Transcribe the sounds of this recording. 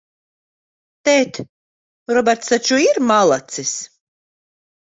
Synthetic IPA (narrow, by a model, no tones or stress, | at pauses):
t̪ɛːt̪ | ɾɔbʲɛɾt̪sat͡ʃuiɾmalˠat̪sis